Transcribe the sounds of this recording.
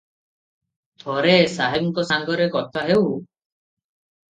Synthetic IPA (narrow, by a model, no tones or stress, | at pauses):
t̪ʰɔɾesaɦebŋkɔsaŋɡɔɾekɔt̪ʰaɦew